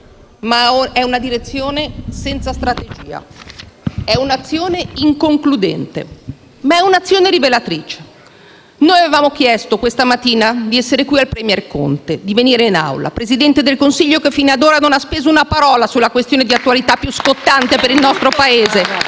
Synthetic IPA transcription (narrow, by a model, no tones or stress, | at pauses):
maɛunad̪iɾet̪sːjoːnesɛnt̪sast̪ɾat̪ed͡ʒḭːa̰ | ɛunat̪sːjoːneiŋkoŋklud̪ɛnt̪ḛ | maɛunat̪sːjoːneɾivelat̪ɾiːt͡ʃe̥ | noːjavevaːmok̟jɛst̪okwest̪amat̪ːiːnad̪iɛsːeɾekwialpɾɛmjɛrko̰nt̪ed̪iveniːɾeina̰wla̰pɾezid̪ɛnt̪ed̪elkonsiʎːokefːiːnad̪oːɾanonaspeːzounapaɾɔːlasulːakwest̪joːned̪iat̪ːualit̪apːjuskot̪ːant̪epeɾilnɔst̪ɾopaeːze